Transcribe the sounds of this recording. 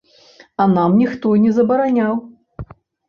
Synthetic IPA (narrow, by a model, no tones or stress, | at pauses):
ɐnamnʲixt̪ɔnʲɛzɐbɐɾanʲaw